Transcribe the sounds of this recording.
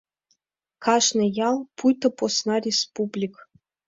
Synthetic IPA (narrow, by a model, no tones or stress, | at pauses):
kɑʂnɤ̆jɑlˠpujt̪ɤ̆posnɑrʲespublʲik